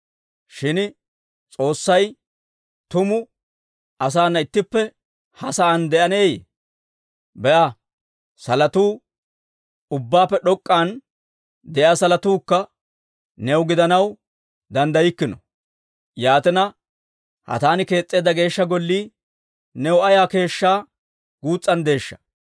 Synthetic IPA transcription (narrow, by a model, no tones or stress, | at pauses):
ʃɪn | t͡sʼo̞ːsːɐj | t̪ʊmʊ | ʔɐs̬aːnːɐɪt̪ːɪpːɛ | hɐsɐːnd̪ɛʔɐne̞ːjḛ | bɛʔɐ | sɐlɐt̪uː | ʊbːaːpːɛɗɔkʼːaːn | d̪ɛʔaːsɐlɐt̪uːkːɐː | ɛwʊɡɪd̪ɐnɐw | d̪ɐnd̪ɐjɪkːɪnɔ | jaːt̪ɪnɐ | hɐ̰t̪aːnɪke̞ːt͡sʼːe̞ːd̪ɐɡe̞ːʃːɐɡɔlːiː | nɛwɐjaːke̞ːʃːaː | ɡ̥uːt͡sʼːɐnd̪e̞ːʃːɐ̥